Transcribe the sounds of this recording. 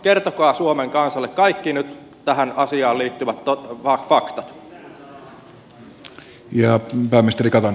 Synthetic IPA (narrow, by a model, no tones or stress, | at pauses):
kert̪okɑːsuomeŋkɑnsɑlːekkɑikːinyt̪ | t̪æɦænɑsiɑːliːt̪ːyʋæt̪ːoɑkfɑkt̪ɑt̪ | jɑpæːmːˑist̪erikɑt̪ɑn